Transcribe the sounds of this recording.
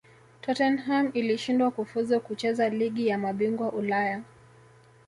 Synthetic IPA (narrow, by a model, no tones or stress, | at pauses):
tʰɔtɛnɦamiliʃindwakufuzukut͡ʃɛzaliɠijamaɓiŋɡwaʔulaja